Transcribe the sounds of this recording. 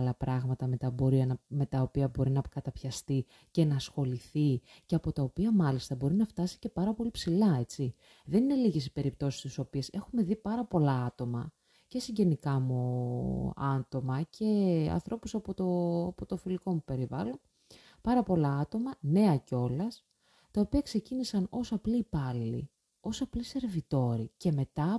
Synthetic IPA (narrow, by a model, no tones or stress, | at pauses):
lɐpɾɐɣmɐt̪ɐmet̪ɐbo̞ɾiɐnɐme̞t̪ɐo̞piɐbo̞ɾinɐpkɐt̪ɐpçɐst̪i | ce̞nɐsxo̞liθi | ceɐpo̞t̪ɐopiɐmɐlist̪ɐbo̞ɾinɐft̪ɐsi̥ce̞pɐɾɐpo̞lipsilɐe̞t͡si | ðe̞nine̞liʝesi̥pe̞ɾip̚t̪o̞si̥st̪iso̞pie̞se̞xume̞ðipɐɾɐpo̞lɐɐt̪o̞mɐ | ce̞siɲɟe̞nikɐmu | ɐ̰nt̪o̞mɐcʰe̞ɐ̰nθɾo̞pusɐpot̪opot̪ofiliko̞mupe̞ɾivɐ̰lon | pɐɾɐpo̞lɐɐt̪o̞mɐne̞ɐceo̞lɐs | t̪ɐo̞piɐkse̞cinisɐno̞sɐpliːpɐlḭ | o̞sɐplise̞ɾvit̪o̞ɾice̞me̞t̪ɐ